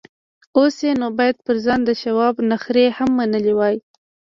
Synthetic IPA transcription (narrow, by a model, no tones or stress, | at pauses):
osenobɑjad̪̚pəɾzɑnd̪əʃawɑbnaxɾehamːanəliwɑj